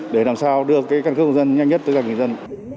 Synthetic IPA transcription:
ɗe˧˩laː˨˩msaː˧wɗɨ˧əkaː˨˦jkaː˧˩nkɨ˦˥kːzə˧nɲa˧jŋɲə˦˥t̚t̪ə˨˦kaː˧˩ŋ˧˨˩zə˧n

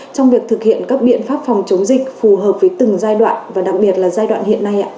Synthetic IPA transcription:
t͡ɕɔ˧wŋ͡mvi˨˩ək̚t̪ʰɨ˨˩k̚hḭ˧˨ənkaː˦˥k̚ɓḭ˧˨ənfaː˦˥p̚fɔ˨˩wŋ͡mt͡ɕə˨˦wŋ͡mzï˨˩k̟̚fu˨˩ɦəː˨˩p̚vəː˨˦jt̪ɨ˨˩ŋzaː˧jɗwa̰ː˧˨nvaː˨˩ɗa˨˩k̚ɓi˨˩ət̚laː˨˩zaː˧jɗwa̰ː˧˨nhḭ˧˨ənːa˧jʔa̰ː˧˨

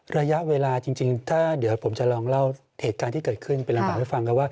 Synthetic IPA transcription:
ɾa˧ja˦˥ʔweː˧laː˧t͡ɕi˧ŋt͡ɕi˧ŋt̪ʰaː˥˩d̪i˩˦wpʰo˩˦mt͡ɕa˨˩lɔː˧ŋla˥˩w | heː˨˩t̪̚kaː˧nt̪ʰiː˥˩kɤː˨˩t̪̚kʰɯ˥˩npe˧nla˧baː˨˩k̚ha˥˩jfa˧ŋkʰa˧˥˩waː˥˩

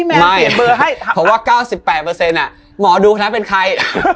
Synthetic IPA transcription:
mɛ˧ma˥˩jbɤː˧ɦa˥˩jʰɔ˩˦mwaː˥˩kaː˥˩wsi˨˩pːɛː˨˩t̪̚pɤː˧se˧nʔa˨˩ | mɔː˩˦duː˧kʰa˧na˦˥pe˧nkʰa˧j

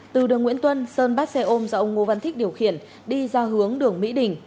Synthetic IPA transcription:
t̪ɨ˨˩ɗɨ˨˩əŋwḭ˧˥ənt̪wə˧nsəː˧nɓaː˦˥t̚sɛ˧ʔo˧mzɔ˧ʔə˧wŋ͡mŋo˧va˧nt̪ʰi̟˦˥ɗi˨˩əwxḭ˧˨ən | ɗi˧zaː˧ɦɨ˨˦əŋɗɨ˨˩əŋmḭ˧˥ɗï˨˩ŋ̟

